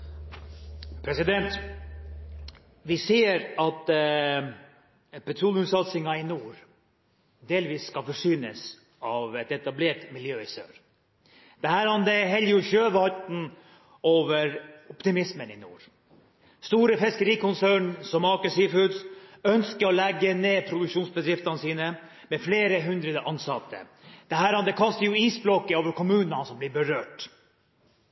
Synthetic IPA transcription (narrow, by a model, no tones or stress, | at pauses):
pʰɾɛsɪd̪ɛnt̪ | ʋɪseːəɾɑt̪ | pɛt̪ʰɾuːlɪʉt̪sɑt̪sɪŋɑɪnuːɾ | d̪eːlʋiːsːkɑfɔʂyːnəs | ɑʋɛt̪ɛt̪ɑbleːʈmɪljøːɪsø̰ːɾ | d̪̥ɛhæːɾhɑnd̪ɛɦɛljəjʊçøːʋhɑt̪n | oːʋəɾɔpt̪ɪmɪsmənɪnṵːɾ | st̪uːɾəfɛskəɾiːkʊnsæːɳsɔmɑkəsiːfʉd̪sœnskəɾɔlɛɡːəneːpʰɾʊd̪ʉkʂuːnsbəd̪ɾɪft̪ɑnəsiːnə | mɛfleːɾəɦʉnd̪ɾəd̪əʔɑnsɑt̪ʰːə̰ | d̪̥ɛhæːɾhɑnd̪ɛkʰɑst̪əɾjʊiːsblɔkːəoːʋəɾkʰʊmʉːnnɑnsɔmblɪɾbəɾøːʈ